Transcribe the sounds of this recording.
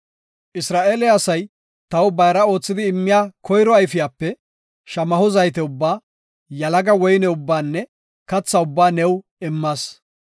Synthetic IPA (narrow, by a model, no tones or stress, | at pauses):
ʔɪsɾaːʔeːlɛɐsɐj | t̪ɐwbɐjɾɐo̞ːt͡sːɪd̪ɪːmːɪjaːkʰɔjɾɔɐjfɪjaːpːɛ | ʃɐmɐhʊzɐjt̪ɛʊbːaː | jɐlɐɡɐwɔjnɛʊbːaːnːɛ | kɐt͡sːɐʊbːaːnɛw | ɪmːaːs